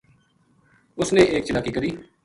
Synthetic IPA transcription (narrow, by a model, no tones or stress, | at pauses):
ʊsneːeːkt͡ʃɪlaːkiːkəɾiː